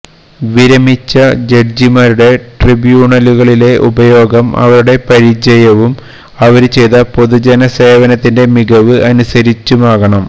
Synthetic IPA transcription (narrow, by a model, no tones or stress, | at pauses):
ʋiɾɐmit͡ɕːɐd͡ʑe̞ɖd͡ʑimaːɾuɽe̞ʈribjuːɳɐluɣɐɭile̞ʔṵbɐjo̞ːɡɐmɐ̰ʋɐɾuɽe̞pɐɾid͡ʑɐjɐʋum | ɐʋɐɾut͡ɕe̞jt̪ɐpo̞ðud͡ʑɐnɐse̞ːʋɐnɐt̪ːinde̞miɡɐʋɨɐnusɐɾit͡ɕːumaːɣɐɳɐm